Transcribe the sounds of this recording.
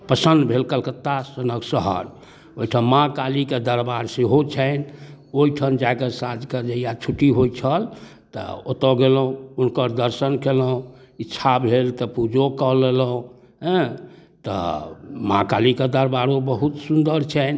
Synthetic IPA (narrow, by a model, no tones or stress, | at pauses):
pəsənd̪bʱelkəlkət̪ːasənəksəɦə̰ɾ | oiʈʰanmãkaliked̪əɾbaɾseɦot͡ʃʰɛn | oiʈʰənd͡ʒaekəsãd͡ʒked͡ʒəijat͡ʃʰuʈiɦojt͡ʃʰəl | t̪ɔ̰ot̪ɔɡelũunkəɾd̪əɾsənkeləũit͡ʃʰabʱelt̪ɔpud͡ʒokəleləũ | ɦɛ̃t̪ɔ̰mãkaliked̪əɾbaɾobəɦut̪sund̪əɾt͡ʃʰɛn